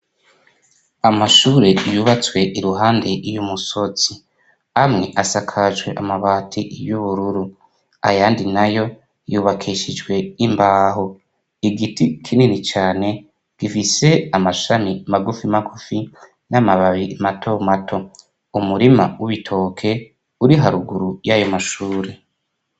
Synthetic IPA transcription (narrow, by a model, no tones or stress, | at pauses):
amaʃuːɾejuːβat͡swe̞ʔiɾuɦaːnde̞ʔijumuso̞t͡si | amŋe̞ʔasakʰaʒwe̞ʔamaβaːtʰiʔjuβuɾuɾu | ajaːndinajo̞ | juːβakʰiʃid͡ʒɡwe̞imbaːɦo | iɡitikʰininit͡ʃaːne̞ | ɡ̥ifise̞amaʃamimaɡufimaɡufi | namaβaβimatʰo̞matʰo̞ | umuɾima̰wuβitʰo̞ːkʰe̞ | uɾiɦaɾuɡuɾujajo̞maʃuːɾe